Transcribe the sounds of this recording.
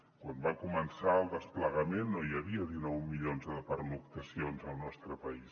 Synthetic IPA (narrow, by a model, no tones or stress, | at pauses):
kwambakumənsaəlˠd̪əspləɣəmenːojəβiəðinɔwmiʎonzðəpəɾlukt̪əsionzəlˠnɔst̪ɾəpəis